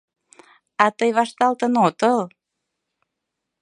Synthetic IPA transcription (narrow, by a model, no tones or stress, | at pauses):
ɑt̪əjβɑʃt̪ɑlt̪ənot̪əl